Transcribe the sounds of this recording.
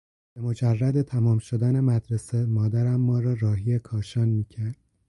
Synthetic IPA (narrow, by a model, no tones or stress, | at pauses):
b̥emo̞d͡ʒærːæd̪e̞t̪ʰæmɒːmʃo̞d̪æne̞mæd̪ɾesemɒːd̪æɾæmːɒːɾɒːɾɒːɦijekʰɒːʃɒːnmiːcʰæɾd̪̥̚